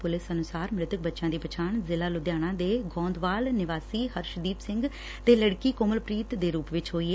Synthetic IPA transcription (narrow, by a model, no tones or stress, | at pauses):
pʊlɪsənʊsaːɾmɾɪt̪ək̚bətːʃãːd̪iːpət͡ʃʰaːɳzɪlaːlʊd̪jaːnãːd̪eːɡɔ̃ːnd̪ʋaːlnɪʋaːsiːɦəɾʃəd̪iːpsɪŋɡ | t̪eːləɽkiːkoməlpɾiːt̪d̪eːɾuːpʋɪt͡ʃɦoːiːɦɛː